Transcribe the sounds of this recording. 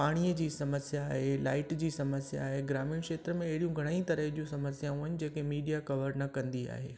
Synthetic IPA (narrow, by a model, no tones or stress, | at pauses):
paːɽ̃ijəd͡ʑiːsɐməsjaːɦela̰ːɪʈd͡ʑiːsɐməsja̰ːɦeɡɾaːmiːɽ̃kʃeːt̪ɾəmẽɐɦɪɽijũɡʱɐɽ̃ə̃ĩt̪ɐɾəɦd͡ʑũsɐməsjãuːɪnɪd͡ʑeːkemiːɖijakɐʋəɾnɐkɐ̃nd̪ia̰ːɦḛː